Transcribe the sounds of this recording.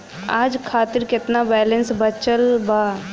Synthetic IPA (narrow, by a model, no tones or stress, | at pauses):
aːd͡ʒkʰaːt̪ɪɾkɪt̪nabɛːlə̃nsbət͡ʃəlba